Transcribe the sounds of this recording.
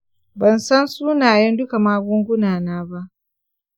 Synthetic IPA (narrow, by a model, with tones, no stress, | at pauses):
bɐ˨nsɐ˦nsuː˦naː˨jɛ˦ndʊ˦ka˨maː˦ɡʷʊ˦ŋɡʷʊ˦naː˨naː˦ba˦ʔ